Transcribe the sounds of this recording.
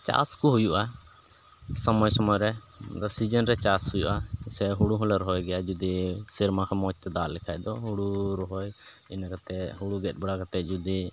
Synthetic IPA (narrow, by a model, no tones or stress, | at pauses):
t͡ʃa̰skuɦujuʔa | sɔmɔjsɔmɔjɾɛ | d̪ɔsid͡ʒənɾɛt͡ʃashujṵʔasɛɦuɽuɦɔlɛɾɔɦɔjɡɛjad͡ʒud̪isiɾmakʰamɔt͡ʃ̚t̪ɛd̪alɛkʰajd̪ɔɦuɽuɾɔɦɔj | inakat̪ɛɦuɽuɡɛt̪̚bɛɽakat̪ɛt̪̚ˀd͡ʒud̪i